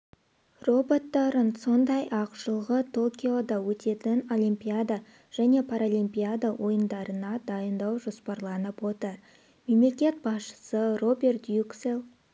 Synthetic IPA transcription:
ro̞bo̞t̪ːɑɾənso̞nd̪ɑjʔɑqʃəlˠʁət̪ʰo̞kʲio̞d̪ɑwɵt̪e̞t̪ɪno̞limpʲijad̪a | ʒ̥æne̞pʰaɾalˠimpʲijad̪awʔo̞jənd̪ɑɾənɑd̪ɑjənd̪ɑwʒo̞spɑɾlˠɑnəpwo̞t̪əɾ | me̞mle̞kʲe̞t̪̚bɑsʃə̥səro̞bʲe̞rt̪jukselˠ

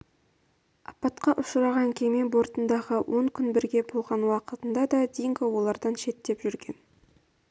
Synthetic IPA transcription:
ɑpːɑt̪qɑʔʊʃəɾɑʁɑŋkʲʰemenbo̞ɾt̪ənd̪ɑʁəwʔo̞ŋkʲʰʏnbɪɾɡʲe̞bolˠʁɑnwɑqət̪ənd̪ɑd̪ɑd̪ejɪŋkowo̞lˠɑɾd̪ɑnʃe̞t̪ːe̞pʒʏɾɡʲe̞n

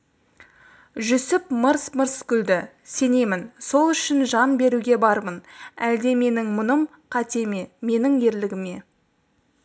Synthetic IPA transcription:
ʒʏsɪpməɾsməɾskʲʏld̪ɪ | se̞ne̞mɪnso̞lˠʏʃɪnʒɑnbe̞ɾuɡʲe̞bɑɾmənæld̪e̞me̞nɪŋmʊnəm | qʰɑt̪e̞me̞me̞nɪŋe̞ɾlɪɡʲɪme̞

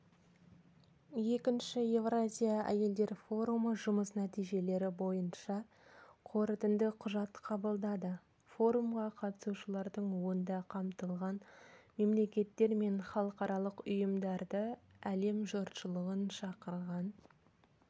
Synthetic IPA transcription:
je̞kʲɪnʃɪje̞vrazʲijaæ̰je̞ld̪e̞ɾfo̞ɾuməʒʊməsnæt̪ijʒe̞le̞ɾɪbo̞jənʃɑ | qʰo̞ɾət̪ɪnd̪ɪqʰʊʒɑt̪qʰɑbəlˠd̪ɑd̪ə | fo̞ɾumʁɑqʰɑt̪ə̥suʃəlˠɑɾd̪əɴwo̞ənd̪ɑqʰɑmt̪əlˠʁɑnme̞mle̞kʲe̞t̪ːe̞ɾme̞nχɑlˠəqɑɾɑlˠəqʊjəmd̪ɑɾd̪əæle̞mʒot̪ʃəlˠəʁənʃɑqəɾʁɑn

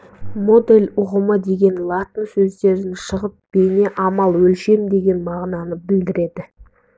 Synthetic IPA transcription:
mo̞d̪e̞lʲʊʁəməd̪e̞ɡʲe̞nlˠat̪ənsɵzd̪e̞ɾɪnʃəʁəp̚b̥e̞ne̞ʔɑmɑlˠwɵlʃe̞md̪e̞ɡʲe̞nmɑʁnɑnəbɪld̪ɪɾe̞d̪ɪ

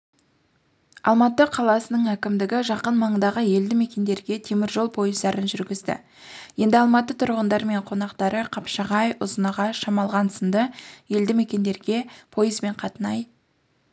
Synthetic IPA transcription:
ɑ̰lˠmɑt̪əqʰɑlˠɑsənəɴækʲɪmd̪ɪɡʲɪʒɑqənmɑɴd̪ɑʁəje̞ld̪ɪme̞kʲe̞nd̪e̞ɾɡʲe̞t̪ʰe̞mɪɾʒo̞lˠpʰo̞jəzd̪ɑɾənʒʏɾɡʲɪzd̪ɪ̰ | je̞nd̪ɪɑlˠmɑt̪ət̪ʰʊɾʁənd̪ɑɾme̞ɴqʰo̞nɑqt̪ɑɾəqʰɑpʃɑʁɑjʊzənɑʁɑʃɑmɑlˠʁɑnsənd̪əje̞ld̪ɪme̞kʲe̞nd̪e̞ɾɡʲe̞pʰo̞jəzbe̞ɴqʰɑt̪ənɑj

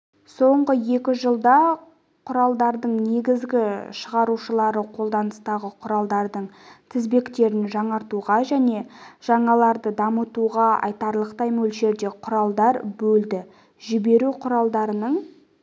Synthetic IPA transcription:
so̞ɴʁəje̞kʲɪʒəlˠd̪ɑ | qʰʊɾɑlˠd̪ɑɾd̪əɴne̞ɡʲɪzɡʲɪʃəʁɑɾuʃəlˠɑɾəqʰo̞lˠd̪ɑnəst̪ɑʁəqʰʊɾɑlˠd̪ɑɾd̪əɴt̪ʰɪzbe̞kt̪e̞ɾɪnʒɑɴɑɾt̪uʁɑʒæne̞ʒ̥ɑɴɑlˠɑɾd̪əd̪ɑmət̪uʁɑɑ̰jt̪ɑɾlˠəqt̪ɑjmɵlʃe̞ɾd̪e̞qʰʊɾɑlˠd̪ɑɾbɵld̪ɪ | ʒɪbe̞ɾuqʰʊɾɑlˠd̪ɑɾənəɴ

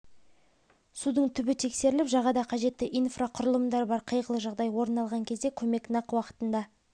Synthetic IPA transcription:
sud̪əɴt̪ʰʏbɪt̪ʰe̞kse̞ɾɪlɪpʒɑʁɑd̪ɑqʰɑʒe̞t̪ːɪʔijnfraqʰʊɾəlˠəmd̪ɑɾbɑɾqʰəjʁəlˠəʒɑʁd̪ɑjwo̞ɾnɑlˠʁɑŋkʲʰe̞zd̪e̞kʲʰɵme̞knɑqwɑqə̥t̪ənd̪ɑ

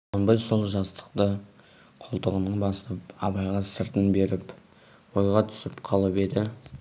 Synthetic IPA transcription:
ɑnbəj̪so̞lˠʒɑst̪ə̥qt̪ə | qʰolˠt̪əʁənəɴbɑsəp̚ɑbɑjʁɑsəɾt̪ənbe̞ɾɪp | wo̞jʁɑt̪ʰʏ̥sɪpqʰɑlˠəpe̞d̪ɪ

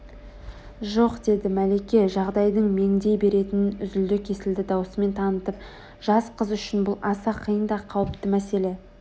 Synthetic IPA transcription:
ʒo̞qd̪e̞d̪ɪmæle̞kʲe̞ʒɑʁd̪ɑjd̪əɴme̞ŋd̪e̞jbe̞ɾe̞t̪ɪnnʏzʏld̪ɪkʲʰe̞sɪld̪ɪd̪ɑwəsəme̞nt̪ʰɑnət̪əp̚ | ʒ̥ɑsqʰəzʏʃɪnbʊlˠɑsɑqʰːijənd̪ɑqʰɑwəpt̪əmæse̞le̞

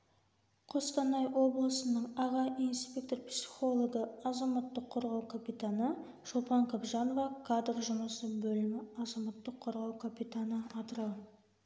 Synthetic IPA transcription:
qʰo̞st̪ɑnɑjwo̞blˠəsənəɴɑʁɑʔinspʲe̞k̚t̪o̞rpsʲi̥χo̞lˠo̞ɡəɑzɑmɑt̪ːəqʰːoɾʁɑwkʰapʲit̪anə | ʃopɑŋkʰobʒɑnovɑkʰad̪rʒʊməsəbɵlɪmɪɑzɑmɑt̪ːəqʰːoɾʁɑwkʰapit̪anəɑt̪əɾɑ

